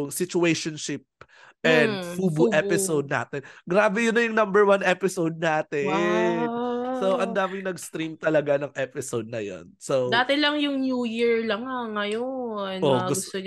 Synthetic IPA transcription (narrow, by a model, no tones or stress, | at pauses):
ʊŋsɪt͡ʃʊejʃonʃɪp̚ | ʔɛnd̪fuːbuʔɛpɪsowd̪̚na̰ːt̪ɛnɡɾaːbɛjʊnɐjʊŋnɐmbɛɹwɐnʔɛpɪsowd̪̚naːt̪ɛ | sowʔɐnd̪aːmɪŋnɐɡst̪ɾimt̪ɐlɐɡanɐŋʔɛpɪsowd̪̚nɐjo̰nsowd̪aːt̪ɪlɐŋjʊŋnjuːjiɹlɐŋaŋɐjonʔoɡʊɡʊst̪oɲ